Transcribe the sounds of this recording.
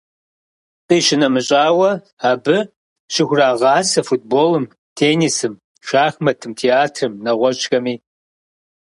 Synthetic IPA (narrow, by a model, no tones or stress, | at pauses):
tʼiɕɪnɐmɨɕʼaːwɐ | aːbɨ | ɕɪxʷʊraːʁɑːsɐfut̚ʰboːlɨm | tʰeːnisɨm | ʃaːxmɐtʰɨmtʰeaːtʰrɨmnɐʁʷɔt͡ʃʼxɐmiː